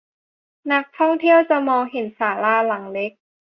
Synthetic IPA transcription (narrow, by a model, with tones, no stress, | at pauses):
na˦˥k̚t̪ʰɔ˥˩ŋt̪ʰi˥˩əwt͡ɕa˨˩mɔː˧ŋɦe˨˩˦nsaː˩˦laː˧˩la˩˦ŋle˦˥k̚